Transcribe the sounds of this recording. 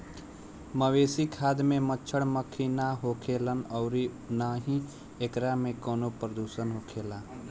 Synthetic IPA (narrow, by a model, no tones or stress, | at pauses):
məweːsikʰaːd̪mẽmət͡ʃʰəɽməkʰinaɦoːkʰeːlənɔːɾi | naːɦĩ | ekɾamẽkɔːnopɾəd̪uːʃənɦoːkʰeːlaː